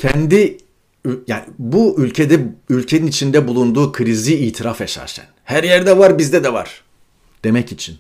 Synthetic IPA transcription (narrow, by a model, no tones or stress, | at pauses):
cʰɛnd̪i | yjaːnibuʔylʲcʰe̞d̪ɛylʲcʰe̞ninit͡ʃʰind̪ɛbulˠund̪uːkʰɯɾiziːt̪ʰiɾafɛʃa̰ʃcʰæ̰nhæɾjæɾd̪ɛvaɾbizd̪ɛd̪ɛva̰ɾ̥ | d̪̥e̞mɛcit͡ʃʰin